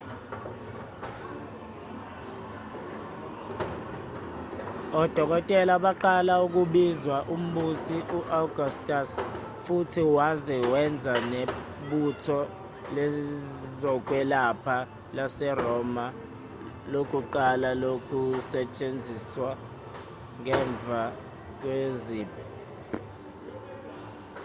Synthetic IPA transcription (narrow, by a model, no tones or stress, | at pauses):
ɔd̥ʱɔk̬ɔtʼɛlaɓaǃalauk̬uɓizwaʔum̩ɓusiʔuʔaɡʱustʼas | futʰiwazɛwɛnd͡zʱane | ɓutʰɔ | lɛzɔk̬ʼwɛlapʰa | lasɛrɔma | lok̬ʼuǃalalok̬ʼusɛt͡ʃʼend͡zʱiswa | ŋɛɱb̪vʱa | k̬weziːpʼɔ